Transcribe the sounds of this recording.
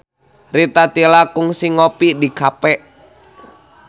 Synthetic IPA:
rit̪at̪ilakuŋsiŋopidikapɛʔ

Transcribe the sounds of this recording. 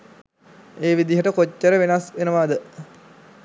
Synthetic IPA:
eːʋid̪iɦəʈəkocːəɾəʋenasʋenəʋaːd̪ə

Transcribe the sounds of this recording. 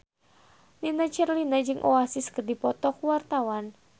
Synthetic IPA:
ninat͡ʃɛrlinad͡ʒɨŋʔɔasiskərdipɔt̪ɔkuwart̪awan

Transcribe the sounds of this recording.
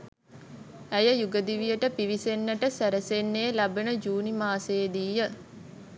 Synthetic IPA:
æjəjuɡəd̪iʋijəʈəpiʋisenːəʈəsæɾəsenːeːlabənəd͡ʒuːnimaːseːd̪iːjə

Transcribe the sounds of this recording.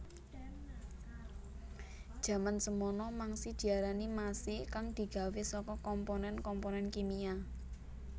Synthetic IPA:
d̥ʒ̥a̤mansəmɔnɔmaŋsid̪̥i̤aɾanimasikaŋd̪̥i̤ɡ̥a̤wesɔkɔkɔmpɔnɛnkɔmponɛnkimia

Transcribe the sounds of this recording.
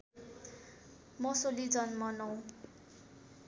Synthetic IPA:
mʌsolid͡zʌnmʌnʌw̃

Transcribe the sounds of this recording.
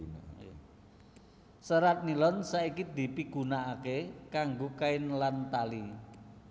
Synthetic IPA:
səɾat̪̚nilɔnsaikid̪i̤piɡ̥ṳnaʔːkekaŋɡokaɪnlant̪ali

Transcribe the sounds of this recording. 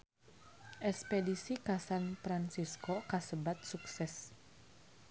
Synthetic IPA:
ʔɛspedisikasanpɾansiskokasəbat̪̚suksɛs

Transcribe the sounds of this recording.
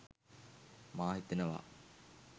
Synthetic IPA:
maːɦit̪ənəʋa̰

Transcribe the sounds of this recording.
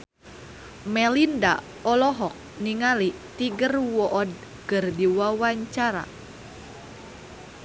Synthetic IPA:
mɛlinda̰ | ɔlɔɦɔk̚niŋalit̪iɡərwɔʔɔd̚ | kərdiwawaɲt͡ʃaɾa̰

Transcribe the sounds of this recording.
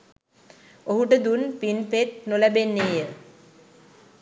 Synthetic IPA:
oɦuʈəd̪unpinpet̪̚nolæbenːejə

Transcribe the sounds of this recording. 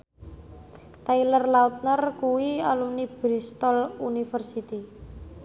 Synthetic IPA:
t̪ailərlaut̪̚nərkuwialunib̥ɾist̪ɔlunifərsit̪i

